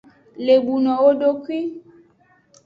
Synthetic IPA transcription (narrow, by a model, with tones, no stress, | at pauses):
le˨bu˨nɔ̃˨o˦ɖo˦kwi˦